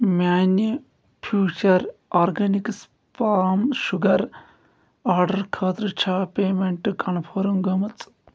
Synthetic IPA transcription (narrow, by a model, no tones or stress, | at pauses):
mʲaːni | pʰjuːt͡ʃɐɾaːɾɡɐniks | paːmʃuɡɐɾ | aːɾɖɐɾkʰaːt̪ɾɨt͡ʃʰaːpeːmeɳʈɨkɐɳpʰoːɾuŋɡɐmɐt͡sʼ